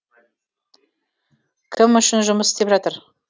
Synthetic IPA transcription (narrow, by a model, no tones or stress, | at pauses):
kʲʰɪmʏʃɪnʒʊməsɪ̥st̪e̞pʒɑt̪əɾ